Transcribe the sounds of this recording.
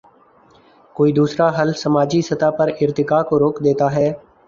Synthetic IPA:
koːiːd̪uːsɾaɦəlsəmaːd͡ʒisət̪aːpəɾɪɾt̪ɪkaːkoɾoːkd̪eːt̪aɦɛː

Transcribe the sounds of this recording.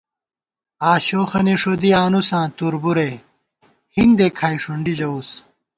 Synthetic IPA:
aːɕoːxɐniʂod̪iaːnusãːt̪uɾbuɾe | hind̪ekʰaːiʂuɳɖid͡ʑɐus

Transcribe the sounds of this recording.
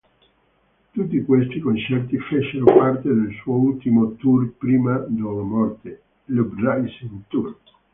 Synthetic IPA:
t̪ut̪ːikwest̪ikont͡ʃɛrt̪ifet͡ʃːeɾopart̪ed̪elsuoult̪imot̪urpɾiːmad̪ɔvomɔrt̪e | lubraiseunt̪uɾ

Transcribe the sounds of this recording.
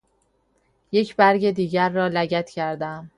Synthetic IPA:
je̞cʰbæɾɟe̞d̪iːɟæɾːɒːlæɟæt̪ʰcʰæɾd̪æm

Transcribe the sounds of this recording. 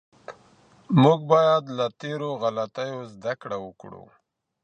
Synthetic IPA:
muɡ̚bɑjad̪lat̪eɾoɣalat̪ajozd̪akɽawəkɽṵ

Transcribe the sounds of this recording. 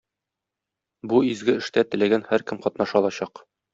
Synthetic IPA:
buizɡɘɘ̆ʃt̪æt̪ɘ̆læɡænhæɾkɘmqɒt̪nɑʃɒlˠɑɕɑq

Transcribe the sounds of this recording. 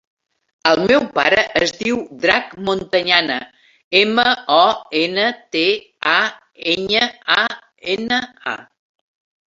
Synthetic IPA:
əlˠmɛwpa̰ɾəʔːzðiwd̪ɾakmont̪əɲanə | eməɔenət̪e | a | eɲəa | enəa̰

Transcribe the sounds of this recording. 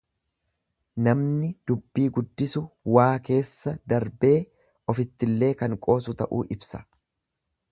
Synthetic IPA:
nɐmnɪd̪̥ʊbːiːɡʊd̪ːɪsʊwaːke̞ːsːɐd̪ɐɾbe̞ː | ʔɔfɪt̪ːɪlːe̞ːkɐŋkʼo̞ːsʊt̪ɐʔṵːʔɪbsɐ̥

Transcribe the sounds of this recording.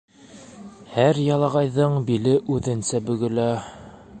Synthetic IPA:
hæɾjɑlˠɑʁɑjðɤɴbilɘʔʉðɘ̆nsæbɵ̆ɡɵ̆læ

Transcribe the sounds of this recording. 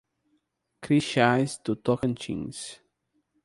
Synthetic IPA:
kʰɾiʃajzt̪ut̪ɔkə̃nt͡ʃḭ̃ŋs

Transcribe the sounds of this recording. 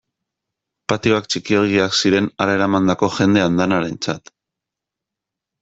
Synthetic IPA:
pat̪io̞akt͡ʃikioɾɣ̞iaksiɾe̞naɾae̞ɾamand̪ako̞ʝe̞nd̪e̞and̪anaɾe̞nt͡sat̪

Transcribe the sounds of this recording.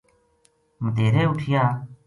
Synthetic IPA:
məd̪eːɾeːʊʈʰɪjaː

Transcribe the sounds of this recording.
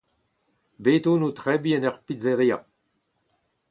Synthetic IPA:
beːt̪oːnut̪ʁɛbiɛnœʁpizeʁia̰

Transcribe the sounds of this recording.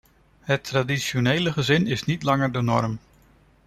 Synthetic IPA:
ɦətradiʃonejləχəzɪnɪsnitlɑŋəɹdənɔ̰ɹm

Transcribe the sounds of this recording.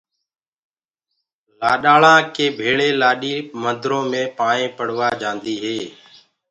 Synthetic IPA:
laːɗaːɭãːkeːbʱeːɭeːlaːɗiːmənd̪ʱɾõːmẽːpaːɳẽːpəɽ̤ʋaːd͡ʒãːnd̪iːɦeː

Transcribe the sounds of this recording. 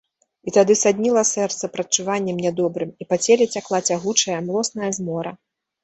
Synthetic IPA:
it̪ad̪ɨsad̪ʲnʲilˠɐsɛrt̪sɐpɾɐt͡ʂuvanʲːɛmnʲɛd̪ɔbɾɨmipat͡sʲɛlʲɛt͡sʲaklˠat͡sʲaɣut͡ʂɐjɐmlˠɔsnɐjɐzmɔɾɐ

